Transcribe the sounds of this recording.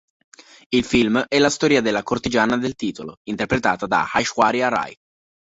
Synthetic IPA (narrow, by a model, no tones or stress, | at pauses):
ilfilmɛlast̪ɔːɾiad̪elːakort̪id͡ʒaːnad̪elt̪iːt̪olo̰int̪erpɾet̪aːt̪ad̪a̰hajʃwaɾiara̰j